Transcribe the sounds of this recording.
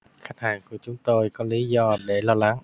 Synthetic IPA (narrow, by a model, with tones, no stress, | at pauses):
xa˦˥jk̟̚haː˨˩ŋku˧˩ət͡ɕʊ˨˦ŋ͡mt̪o˧jkɔ˨˦li˨˦zɔ˧ɗe˧˩lɔ˧la˨˦ŋ